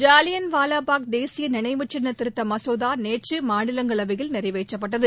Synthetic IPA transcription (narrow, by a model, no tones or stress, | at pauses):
d͡ʒaːlɪjɐnʋaːlaːpaːk̚d̪eːsɪjɐnɪnɐɪmɯt͡ʃːɐnːɐt̪ːɪɾɯt̪ːɐmɐsoːðaːneːʈt͡ʃɯmaːɳɪlɐŋɡɐɭɐʋɪɣɪlnɪɾɐɪʋɐɪt͡ʃːɐp̬ːɐʈːɐðɯ